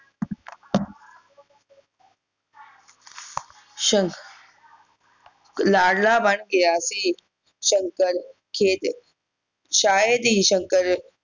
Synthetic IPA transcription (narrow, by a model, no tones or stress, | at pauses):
ʃəŋ | laːɽlaːbanɡejaːsiː | ʃəŋkəɾ | kʰeːt̪ | ʃaːjed̪iːɕəŋkəɾ